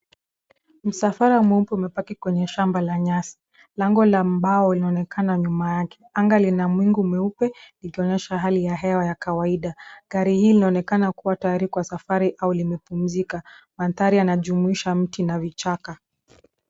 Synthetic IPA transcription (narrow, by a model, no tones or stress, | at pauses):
m̩safaɾaumwɛm̩pɛumɛpakikwɛɲɛʃambalaɲasi̥ | laŋɡɔlam̩ɓaɔlinaɔnɛkʰanaɲumajakɛ̥aŋɡalinamwiŋɡumɛupɛnikiɔɲɛʃaɦalijaɦɛwajakawaiɗaɡaɾihiːlinaɔnɛkanakuwatajaɾikwasafaɾiʔaulimɛpum̩zikamanθaɾianaʄumuiʃam̩tinavit͡ʃaka